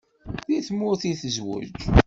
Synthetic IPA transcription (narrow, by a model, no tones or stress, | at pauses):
ðiθmːʊɾθiθəzwə̰d͡ʒ